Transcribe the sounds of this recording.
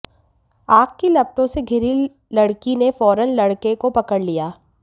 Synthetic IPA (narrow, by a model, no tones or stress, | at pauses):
aːk̚kilɐb̚ʈõseɡʱɪɾi | lɐɽkinefɔːɾənlɐɽkekopɐkəɽlijaː